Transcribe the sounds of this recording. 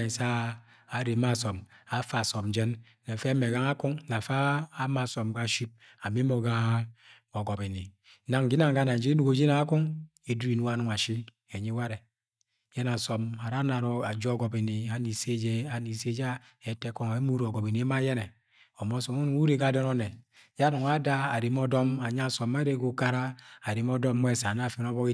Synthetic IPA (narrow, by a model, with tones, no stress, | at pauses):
sa˦ | a˨ɾe˨˦ma˦˨sɔ˨ma˨˦fa˨sɔ˨md͡ʒɛ˦n | ne˨fe˦me˨ɡa˦ŋa˦ku˦ŋna˨faː˦ma˦˨sɔ˨mɡa˦˨ʃi˦p̚ | a˨me˦mo˨ɡa˦ | o˨ɡɔ˨pe˨ni˨˦ | na˨ŋ˨ɡi˦na˦˨ŋɡa˦na˨d͡ʒe˦e˦du˦ɡo˨˦d͡ʒe˦na˨a˦ku˦ŋ | e˨du˦ɾi˨nu˦a˦nu˨ŋa˨ʃi˦m | e˨ɲi˦wa˦ɾe˨˦ | jɛ˦na˨sɔ˨ma˨ɾa˦na˨ɾɔ˨a˨d͡ʒɔ˦ɡɔ˨bi˨ni˨a˨ni˨se˦d͡ʒe˦a˨ni˨se˦d͡ʒa˦ | ɛ˨tɛ˦kɔ˦ŋ˨e˦mu˦ɾɔ˨ɡɔ˨bi˨n˨e˦ma˦jɛ˦nɛ˨ | ɔ˨mɔ˦sɔ˨mu˦nu˨˦u˦ɾe˦ɡa˨dɔ˦nɔ˦nɛ˨ | ja˦nu˨ŋa˦da˦a˨ɾe˨m˦ɔ˦dɔ˦ma˨ɲ˦a˦˨sɔ˨ma˦ɾe˦ɡo˨ka˦ɾa˦a˨ɾe˨m˦ɔ˦dɔ˦mː˦ɛ˦˨sa˨n˦a˦˨fi˦nɔ˦βɔ˦ki˦